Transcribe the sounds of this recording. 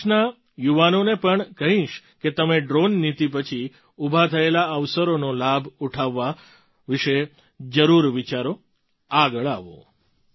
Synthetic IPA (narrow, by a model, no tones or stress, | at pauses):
na | juʋanonepəɳkəɦĩʃ | ket̪əmeɖɾonːit̪ip̬ət͡ʃʰi | ubʱat̪ʰəelaəʋsəɾonolabʱuʈʰaʋːa | ʋiʃe | d͡ʒəɾuɾʋit͡ʃaɾo | aɡəɭaʋo̰